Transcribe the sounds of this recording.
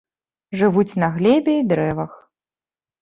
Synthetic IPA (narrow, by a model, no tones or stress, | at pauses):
ʐɨvut͡sʲnɐɣlʲɛbʲɛid̪ɾɛvɐx